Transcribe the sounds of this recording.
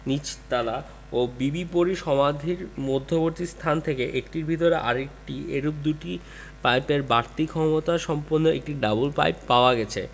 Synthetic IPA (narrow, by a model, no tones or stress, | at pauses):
nit͡ɕt̪ala | obibipoɾiʃɔmad̪ʱiɾmod̪ʱːoboɾt̪ist̪ʰant̪ʰekeʔekʈiɾbʱit̪̬oɾeʔa̰ɾek̚ʈieɾup̚d̪uʈi | pajpeɾbaɾt̪ikʰɔmot̪aʃɔmponːoek̚ʈiɖabulpa̰jpːaoaɡɛt͡ɕʰḛ